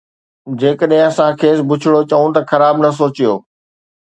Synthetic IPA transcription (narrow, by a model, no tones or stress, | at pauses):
d͡ʑeːkəɗɦɪ̃ɐsãkʰeːsbʊt͡ɕʰɪɽot͡ɕɐũt̪ɐxɐɾaːbnɐs̬oːt͡ɕijoː